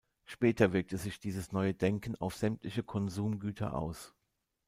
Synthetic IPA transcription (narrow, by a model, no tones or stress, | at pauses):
ʃpɛːtɐvɪɐk̚təzɪçd̥iːzəsnɔʏədɛŋkn̩a̰ʊfz̥ɛmtʰlɪçəkʰɔnzuːmɡyːtʰɐ̰ʔa̰ʊs